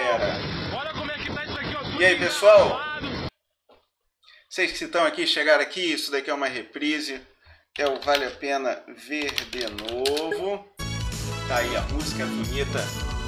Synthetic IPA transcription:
ɛɾɐ | k | iaipesuaw | seʃkɪ̥sɪt̪ɐ̃w̃akiʃeɡaɾakiisʊd̪akiɛũmɐɦepɾizi | ɛwvalɪapẽnɐ̰veɾd̪enovʊ | t̪aiɐ̰muzikɐbuɲit̪ɐ

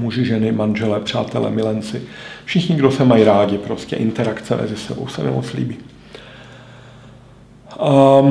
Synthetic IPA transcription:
muʒɪʒɛnɪmanʒɛlɛpr̝̥a̰ːt̪ɛlɛ̰mɪlɛnt͡sɪfʃɪxɲɪɡdosɛmajiɾaːɟɪpɾo̞scɛ̰ʔɪnt̪ɛɾakt͡sɛmʔɛ̰zɪsɛ̰bowsɛmɛ̰mot͡slḭːbiː

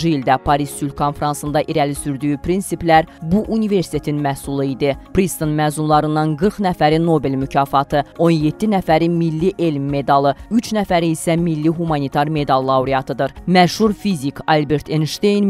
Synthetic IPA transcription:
ʒɯild̪æpʰɑɾissylkʰo̞nfeɾɑnsɯnd̪ɑʔiɾælisyɾd̪yjypʰɾinsiplæɾbuʔunive̞ɾsi̥t̪ʰe̞t̪ʰinmæsulˠɯid̪ipɾist̪onmæːzunlˠɑɾɯnːɑnɡɯɾχnæfæɾino̞be̞lmycʰɑːfɑt̪ʰɯo̞nje̞t̪ʰːinæfæɾimilːiʔe̞lmːe̞d̪ɑlˠɯyt͡ʃnæfæɾiisæmilːiɦumɑnit̪ʰɑɾme̞d̪ɑlˠːɑuɾijɑt̪ʰɯd̪ɯɾmæʃhuɾfizikʰɑlbeɾt̪ʰenʃt̪ejn

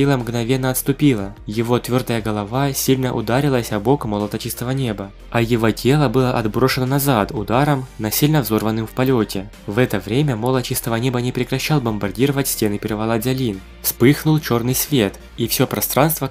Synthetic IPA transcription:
ilˠəmɡnɐvʲe̞nːəɐt̪st̪ʊpʲilˠəjɪvo̞t̪vʲo̞rd̪əjəɡəlˠɐvasʲilʲnəʔʊ̰d̪aɾʲɪlˠəsʲɐbo̞kmolˠət̪ət͡ɕist̪əvənʲe̞bə | ɐjɪvo̞tʲe̞lˠəbɨlˠəʔɐd̪bɾo̞ʂɨnənɐzat̪ʊd̪aɾəmnɐsʲilʲnəvzo̞rvənːɨmfpɐlʲotʲɪ | vɛt̪əvɾʲemʲəmo̞lˠət̪t͡ɕist̪əvənʲe̞bənʲɪpɾʲɪkɾɐɕːalˠbəmbɐrdʲiɾəvətʲsʲtʲe̞nɨpʲɪɾvɐlˠazʲɐlʲin | fspɨxnʊlˠt͡ɕo̞rnɨjsvʲe̞t̪ | ifsʲopɾɐst̪ɾʔanst̪və

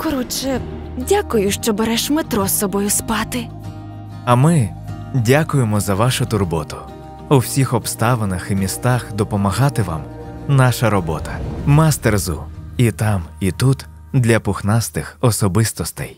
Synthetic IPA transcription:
kɔɾɔt͡ʃɛ | dʲakʊjʊʃt͡ʃɔbeɾɛʃmet̪ɾɔsːɔbɔjʊspɑt̪ɪ | ɐmɪ | dʲakʊjemɔzɐʋɑʃʊt̪ʊrbɔt̪ʊ̥ | uwsʲixɔpst̪ɑʋenɐximʲist̪ɑxd̪ɔpɔmɐɦɑt̪ɪʋɑ̰mnɑʃɐɾɔbɔ̰t̪ɐ̥mɐst̪erzʊ̰it̪ɑmit̪ut̪ | d̪lʲɐpʊxnɑst̪ɪxɔsɔbɪst̪ɔst̪ɛj

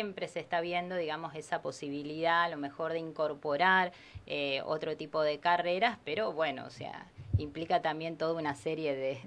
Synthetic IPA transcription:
jempɾe̞seːst̪aβ̞je̞nd̪o̞ðiɣamo̞se̞sapo̞siβ̞iliðalo̞me̞xo̞ɾðeiŋko̞ɾpo̞ɾaɾ | eo̰t̪ɾo̞t̪ipo̞ð̞e̞kare̞ɾaspe̞ɾo̞βwe̞no̰o̰sḛa̰implikat̪ambje̞nt̪o̞ð̞aunase̞ɾje̞ðe

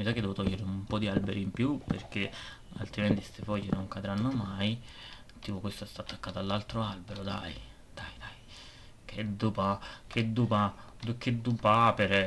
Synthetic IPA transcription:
misakːed̪ɛot̪ɔjːeɾeumpɔd̪ialbeɾʔimpjupḛrk̟e | a̰lt̪ɾiment̪ist̪efɔjenoŋkad̪ɾanːomaj | t̪iːpokwest̪oɛst̪at̪ːakːaːt̪alːalt̪ɾoalbeɾod̪a̰j | d̪̥ajd̪aj | kʰed̪ːupakʰed̪ːupad̪ukːed̪ːupapeɾɛ

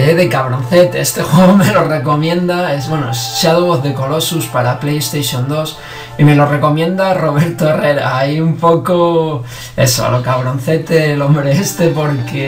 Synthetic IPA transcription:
eðekaβɾo̞n̟θe̞t̪eest̪exweɣomelo̞re̞ko̞mjẽ̞nd̪aezβwe̞noesseaðoβoθðe̞ko̞lo̞suspaɾaplejest̪eʃjond̪o̞s | ime̞lo̞re̞ko̞mjẽ̞nd̪aro̞β̞e̞ɾt̪oere̞ɾa̰aiumpo̞ko | e̞̰so̰a̰lokaβɾo̞n̟θe̞t̪elõ̞mbɾe̞est̪e̞po̞ɾke

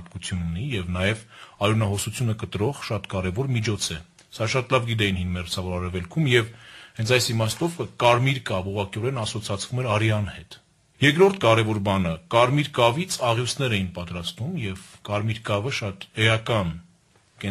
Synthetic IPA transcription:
p̪kut͡sʰjununijɛvnɑjɛvɑɾunɑɦɔsut͡sʰjunəkət̪ɾɔʁʃɑt̪kɑɾɛvɔɾmit͡ʃʰɔt͡sʰɛ | sɑʃɑt̪lɑvɡid̪ɛjinhinmɛɾt͡sʰɑvɔɾɑɾɛvɛlkʰumjɛvhɛnt͡sʰɑjsimɑst̪ɔvkɑɾmiɾkɑvuʁɑkiɔɾɛnɑsɔt͡sʰɑt͡sʰv̥umɛɾɑɾjɑnhɛt̪ | jɛkɾɔɾt̪ʰkɑɾɛvɔɾbɑnəkɑɾmiɾkɑvit͡sʰɑʁjusnɛɾɛjinpɑt̪ɾɑst̪umjɛvkɑɾmiɾkɑvəʃɑt̪ɛjɑkɑn | kɛ

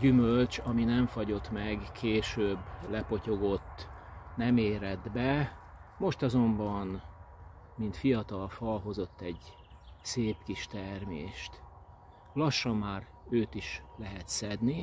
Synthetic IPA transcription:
ɟymølt͡ʃɒminɛɱfɒɟo̞t̪mɛɡkʰeːʃøːbːlɛpo̞co̞ɡo̞t̪ːnɛmeːɾɛd̪bɛmo̞ʃt̪ɒzo̞mbɒn | mint̪fijɒt̪ɒlfɒlɦo̞zo̞t̪ːɛɟ | seːpkiʃt̪ɛrmḛːʃt̪ | lɒʃːɒmːaːr | øːt̪iʃlɛɦɛt̪sɛd̪ni

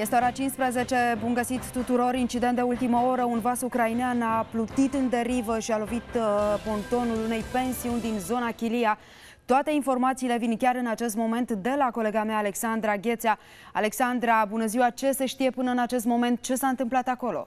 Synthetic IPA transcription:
jest̪eoaɾat͡ʃinspɾeze̞t͡ʃe̞bunɡəsit̪ːut̪uɾo̞ɾint͡ʃid̪ent̪d̪eult̪iməo̞ɾəunvasukɾaineanaplut̪it̪ɨnd̪e̞ɾivəʃialo̞vit̪po̞nt̪o̞nulune̞jpe̞nsiunʲd̪inzo̞nakʲilia | t̪oat̪e̞info̞rmat̪siːle̞vinkʲaɾɨnat͡ʃe̞st̪mo̞me̞nt̪d̪e̞lako̞le̞ɡameaːle̞ksand̪ɾaɡʲe̞t̪sea | a̰le̞ksand̪ɾabunəziwat͡ʃe̞se̞ʃt̪ije̞pɨnəɨnat͡ʃe̞s̬t̪mo̞me̞nt̪̚t͡ʃe̞saɨnt̪ɨmplat̪ako̞lo̰

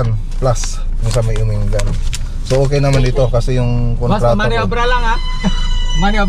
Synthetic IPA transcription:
an | plas | jʊŋsamajʊmiŋɡam | soʔok̬ejnamanit̪okasɛjʊŋkonɾatoɾabɾalaŋa | mania

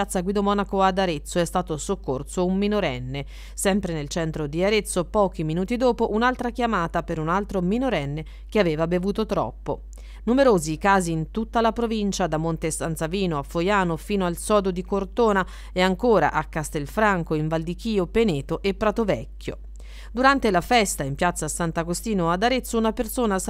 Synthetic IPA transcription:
at̪sːaɡwid̪omɔnakoad̪aɾet̪sːoɛst̪aːt̪osokːorsoumːinoɾɛnːe | sɛmpɾenelt͡ʃɛnt̪ɾod̪iaɾet̪sːopɔːk̟iminuːt̪id̪oːpoʔunalt̪ɾakjamaːt̪apeɾunalt̪ɾominoɾɛnːe | k̟eaveːvabevuːt̪ot̪ɾɔ̰pːo | numeɾoːzikaːziːnt̪ut̪ːalapɾovint͡ʃad̪amont̪esansaviːnoafːojaːnofiːnoalsɔːd̪od̪ikort̪oːna | eaŋkoːɾa̰ʔakːast̪elfɾaŋkoiɱvald̪ik̟iːopeneːt̪oʔepːɾat̪ovɛkːjo̰ | d̪uɾant̪elafɛst̪aimpjat̪sasant̪akost̪iːnoad̪aɾet̪sːounapersoːna

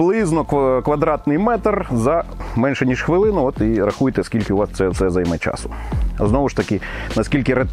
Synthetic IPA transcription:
lˠɪznɔkkʋɐd̪ɾɑt̪nɪjmɛt̪rzɐmɛnʃɛnʲiʃxʋɪlˠɪnʊɔt̪iɾɐxujt̪ɛɐskʲilʲkɪʊʋɑst̪sɛwsɛzɐjmɛt͡ʃɑ̰sʊ̥ | ɐ̰znɔʋʊʃt̪ɐkʲɪnɐskʲilʲkɪɾe

